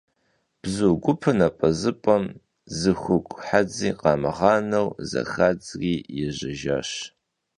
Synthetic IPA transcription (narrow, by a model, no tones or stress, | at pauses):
b̥zuɡʷʊpʰɨnɐpʼɐzɨpʼɐm | zɨxʷʊkʷʼħad͡ziːqɑːmɨʁɑːnɐwzɐ̰xad͡zʼriːjɛʑɪʒa̰ɕ